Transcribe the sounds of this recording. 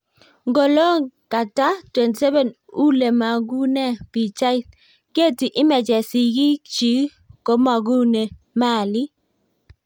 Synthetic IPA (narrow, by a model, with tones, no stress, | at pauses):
ŋɡo˨lo˦ka˨ta˦twe˨nti˨sɛ˦bɛ˨n | u˦le˨ma˨ɡu˦nɛ˦˨pi˨t͡ʃa˦i˦ | ke˦˨ti˨ʔi˦mɛ˨d͡ʒɛ˨si˨ɡi˦t͡ʃi˨˦ | ko˨˦ma˨ɡu˦ne˨ | ma˦˨li˦